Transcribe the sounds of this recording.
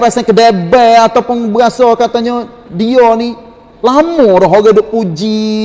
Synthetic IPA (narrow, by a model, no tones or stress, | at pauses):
ɾasakədebɛat̪apəŋbəɡasɔkat̪aɲa | diɔni | lamɔɾɔɦoɡadoʔpud͡ʒi